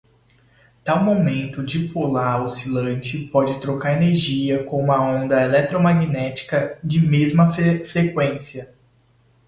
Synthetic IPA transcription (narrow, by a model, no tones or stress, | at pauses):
t̪awmomẽnt̪ʊd͡ʒɪpulaɾosilɐ̃nt͡ʃɪpɔd͡ʒɪt̪ɾokaɾeneɾʒiɐkõũmɐõnd̪ɐelɛt̪ɾomaɡinɛt͡ʃi̥kɐd͡ʒɪmezmɐfɾekwẽsiɐ